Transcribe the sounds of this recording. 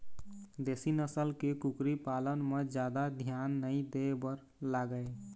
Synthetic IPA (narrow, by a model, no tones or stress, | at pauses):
d̪esinəsəlkekukɾipalənmed͡ʒjad̪ad̪ʱjanːəĩd̪ebəɾ | laɡəe